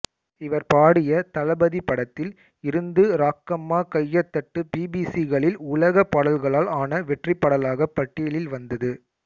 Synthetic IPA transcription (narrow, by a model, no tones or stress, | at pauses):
ɪʋɐɾpaːɽɪjɐt̪ɐlɐbɐðipːɐɽɐt̪ːɪl | ɪɾɯnd̪ɯɾaːkːɐmːaːkɐjːɐt̪ːɐʈːɯpiːbiːsiɣɐɭɪlʊlɐɣɐpːɐɽɐlɣɐɭaːlaːnɐʋɛʈrɪpːɐɽɐlaːɣɐpːɐʈːijlɪlʋɐnd̪ɐðɯ